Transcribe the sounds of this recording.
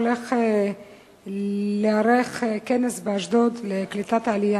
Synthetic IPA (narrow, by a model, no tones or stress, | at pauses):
lex | leaɾexkenesbeaʃd̪od̪leklit̪at̪ʕalija